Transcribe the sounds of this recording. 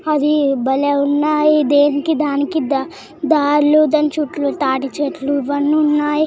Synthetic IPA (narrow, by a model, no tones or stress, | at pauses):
ɐd̪ibɐleunːaːjid̪eːnikid̪aːnikid̪a | d̪aːɾluːd̪ɐnt͡ʃuʈluʈ̪aːʈit͡ʃeʈluʋɐnːuunːaːji